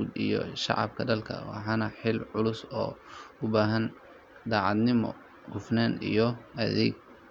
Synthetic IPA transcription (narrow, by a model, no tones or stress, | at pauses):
uːd̪ijɔ̰ʃɑ̰ʕɑ̰b̚kʰɐɖɐlkʰɐ̰wɑ̰ħɑnɐħɪlʕʊlʊsɔːʊbaːɦɐn | d̪ɑːʕɑd̪nɪmɔ̰ | ɡʊfnaːnḭjɔɐðɛ̰ːɡ̚